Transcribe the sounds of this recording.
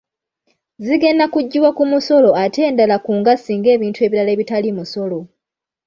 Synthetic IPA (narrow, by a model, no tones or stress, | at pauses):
ziɡe̞nːakuɟːiwakumuso̞lo̞atʰe̞ːndalakuːŋɡasiːŋɡe̞ːβiːntue̞βiɾale̞ːβitalimuso̞lo̞